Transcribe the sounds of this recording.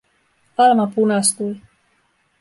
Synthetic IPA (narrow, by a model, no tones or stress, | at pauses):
palmapunast̪uj